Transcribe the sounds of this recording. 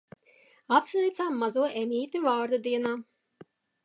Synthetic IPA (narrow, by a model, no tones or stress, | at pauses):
apsvɛjt̪samːazuɔʔemʲiːt̪ʲivɑːɾd̪ad̪iɛnaː